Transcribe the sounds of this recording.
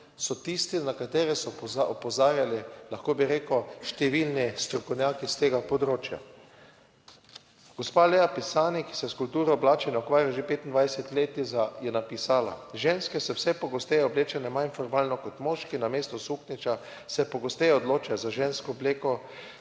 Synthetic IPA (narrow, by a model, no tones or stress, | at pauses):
sɔt̪ist̪inakat̪eːɾɛsɔaɔpɔzaːɾjalɛlaxkoːbiɾeːkoʃt̪ɛʋilnist̪ɾɔkownʲjaːkist̪eːɡapod̪ɾoːt͡ʃja̰ | ɡ̥ospaːlejapisaːniki̥sɛskult̪uːɾɔblaːt͡ʃɛnɛɔkʋaːɾjaʒepeːt̪ind̪ʋajsɛt̪leːt̪izajɛnapisaːla̰ʒenskɛsɛwsɛpɔɡost̪ejɛɔbleːt͡ʃanɛmaninfɔɾmalnɔkɔt̪moːʃkinameːst̪ɔsuxnit͡ʃa | sɛpɔɡost̪ejɔd̪loːt͡ʃajzaʒenskɔːbleːkɔ